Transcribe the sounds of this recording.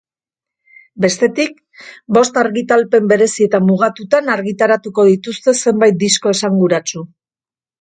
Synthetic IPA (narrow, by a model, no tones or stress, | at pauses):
be̞st̪e̞t̪ik | bo̞st̪aɾɣit̪alpe̞mbe̞ɾe̞sie̞t̪amuɣ̞at̪ut̪anaɾɣit̪aɾat̪uko̞ðit̪ust̪e̞se̞mbajt̪̚d̪isko̞e̞saŋɡuɾat͡su